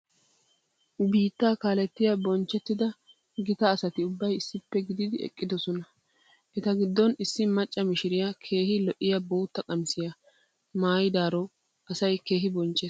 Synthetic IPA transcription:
ʊbiːt̪ːaːkaːlɛt̪ːɪjabɔnt͡ʃːɛt̪ːɪd̪ɐ | ɡɪt̪ɐːsɐt̪ɪʊbːɐjɪsːɪpːɛɡɪd̪ɪd̪ɪɛ̰kʼːɪd̪ɔsɔnɐ | ʔɛt̪ɐɡɪd̪ːɔnɪsːɪmɐt͡ʃʼːɐmɪʃɪɾɪjɐkʰe̞ːhɪlɔʔɪjɐboːt̪ːɐkʼɐmsɪjɐ | maːjɪd̪aːɾɔ | ɐsɐjke̞ːɦɪbɔnt͡ʃʼːe

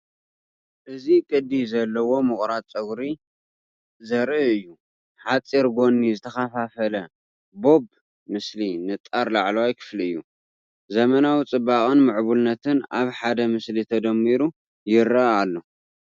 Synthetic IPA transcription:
ʔɨzikʼɨd̪ːizɐlːɐwo̞mɨχʼɾat͡sʼɐɡɾi | zɐɾɨʔɨjːu | ħat͡sʼiɾɡo̞nːizɨt̪ʰɐxafafɐlɐ | bo̞b | mɨslinɨt̪ʼaɾlaʕlowajkʰɨ̥fliɨjːu | zɐmɐnawit͡sʼɨbːakʼɨnmɨʕβulnɐt̪ʰɨnaβħad̪ɐmɨslit̪ʰɐd̪ɐmːiɾu | jɪɾaalːo̞

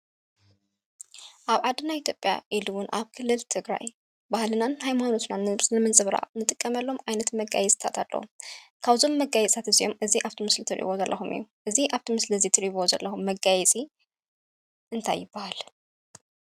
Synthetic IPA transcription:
ʔaβʕad̪ɨnajʔit̪ʰjopʼja̰ʔiluwʊnʔa̰βkʰɨlːɨlt̪ʰɨɡɾa̰j | bahlɨnanhajmano̞t̪nanɨnɨmɨnt͡sʼɨβɾa̰ʔnɨt̪ʼɨkʼːɐmɐlːo̞mʕajnɐt̪mɐɡa̰jɛt͡sʼt̪ʰa̰t̪ʰalːɐ̰wṵkʰaβzo̞mːɐɡajɛt͡sʼat̪ɨzijo̞mʔɨziʔaβt̪ʰimɨslit̪ʰɨɾʔḭβo̞zɐlːɐxumɨ̰jːuʔɨziʔaβt̪ʰimɨslizit̪ʰɨɾʔiβozɐ̰lːʔɐxumːɐɡajɛt͡sʼi | ʔɨnt̪ʰa̰jːɪbːahal

